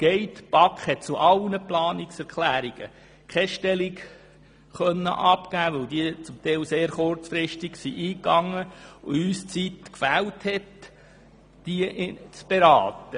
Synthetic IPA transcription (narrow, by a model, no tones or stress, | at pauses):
ɡ̥ɛɪtb̥ɑkχhɛt̚t͡suʔɑlnəplɑːnɪksɛɾkʰlæːɾiɡ̥ə̰ | kʰɛʃtɛliɡ | χœnːə̰ʔɑpɡ̥æːʋœldit͡sʊmt̪ɛɪlseːɾχʊrt͡sfɾɪʃtiɡ̥siʔiːkɑŋːəʊyːst͡sit̪kfæːlthɛt | d̥iəʔt͡sb̥eɾɑːtə